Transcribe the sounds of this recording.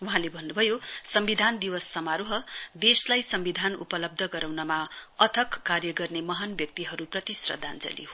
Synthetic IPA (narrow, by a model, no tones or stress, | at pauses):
uɦãlebʱʌnːubʱʌjosʌmbid̪ʱand̪iwʌsːʌmaɾuɦʌd̪eslajsʌmbid̪ʱanṵpʌlʌb̚d̪ʱʌɡʌɾawnʌmaʌt̪ʰʌkːarjʌɡʌrnemʌɦanbjʌk̚t̪iɦʌɾuprʌt̪isrʌ̰d̪ʱand͡zʌ̰lḭɦo